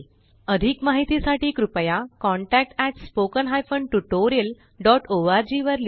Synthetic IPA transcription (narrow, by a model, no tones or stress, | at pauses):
əd̪ʱikmaɦit̪isaʈiːkɾupəjakɔ̃ɳʈæk̚ʈæʈspokənɦajfəɳʈuʈoɾiəl | ɖɔʈoʋaɾd͡ʑiʋəɾl